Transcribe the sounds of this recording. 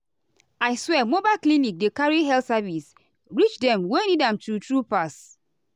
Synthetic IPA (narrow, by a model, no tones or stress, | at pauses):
aɪswɛmobalklinik̚dekaɹiɦɛltsavis | ɹit͡ʃdɛ̃mwenidãmtutɹupas